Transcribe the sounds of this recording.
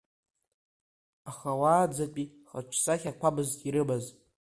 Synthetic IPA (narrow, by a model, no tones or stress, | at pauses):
aχawaːd͡zat͡pʼi | χat͡ʃʷʰsaχʲakʷabɨztʼiɾɨbazʼ